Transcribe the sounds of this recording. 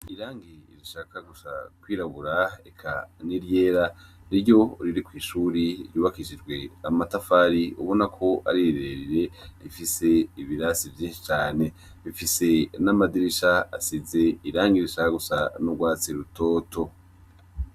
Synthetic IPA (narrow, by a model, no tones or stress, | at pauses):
iɾaːŋɡiiɾiʃaːkaɡusa̰kwiːɾaβuɾaekʰa̰niɾje̞ːɾaɾiɾjo̞ɾiɾikwiːʃuːɾiɾjuːβakiʃid͡ʒɡwe̞amatafaɾiṵβo̞nakʰo̞a̰ɾiɾiɾeɾiɾe̞ɾifise̞iβiɾasivjiːnʃi̥t͡ʃaːne̞ | ifise̞namadiɾiʃaa̰size̞iɾaːŋɡiɾiʃakaɡusanuɡwaːt͡siɾuto̞ːtʰo̞